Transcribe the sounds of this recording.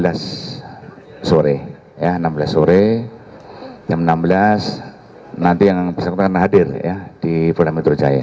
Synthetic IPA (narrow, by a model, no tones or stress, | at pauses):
las | oɾɛ | janambəlasːoɾe | d͡ʒamnamblas | nant̪ijaŋbsakut̪̚kanaɦadɪrjad̥ipɾulamɛt̪ɾɔd͡ʒa̰ja̰